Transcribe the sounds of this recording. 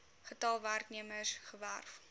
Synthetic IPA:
χətɑlˠværkniəməsχəværf

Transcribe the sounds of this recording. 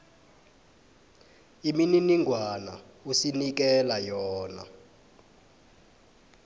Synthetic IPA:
imininiŋɡʱwana̰ | usinik̬ɛlajɔːna̰

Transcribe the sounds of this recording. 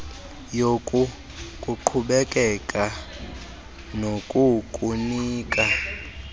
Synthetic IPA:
jokʼu | kʼuǃʰuɓɛkʼɛkʼa | nokʼukʼuniːkʼa

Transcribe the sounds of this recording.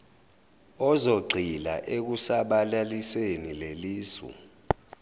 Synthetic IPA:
ɔzoɡ͡ǀʱilaʔek̬usaɓalalisenileliːsṵ

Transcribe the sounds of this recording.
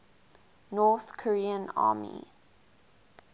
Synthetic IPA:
nɔθkʰɔɹiːə̃na̰ːmḭ

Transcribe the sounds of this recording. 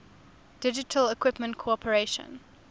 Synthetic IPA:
d̥ɪd͡ʒɪtʰəlɪkʰwɪpmə̃ntkʰoɔpʰəɹeʃə̰̃n

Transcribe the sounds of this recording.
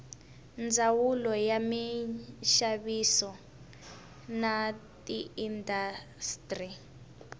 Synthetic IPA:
nd͡zawulɔjamiʃaβisɔ | natiːnda | stri

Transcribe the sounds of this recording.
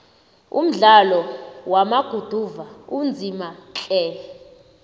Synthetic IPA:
ṵm̩ɮalɔwamaɡ̥ʱud̥ʱuvaund͡zʱimat͡ɬʼɛ

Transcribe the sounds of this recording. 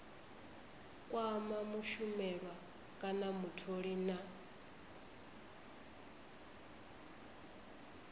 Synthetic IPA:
kʼwamamuʃumɛβa | kʼanamutʰoɺina

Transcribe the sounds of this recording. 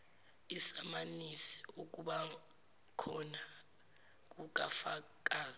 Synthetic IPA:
isamanisi̥uk̬ʼuɓa | kʰɔna | k̬ʼuk̬afa | k̬ʼaːz

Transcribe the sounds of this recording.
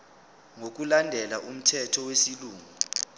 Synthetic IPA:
ŋok̬ulandʱɛlaʔum̩tʰɛtʰɔwesiluːŋu

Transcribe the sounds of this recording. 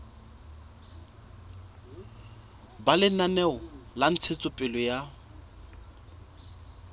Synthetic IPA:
balɪnanɛɔlan̩t͡sʰet͡sʼʊpʼɪlɔja

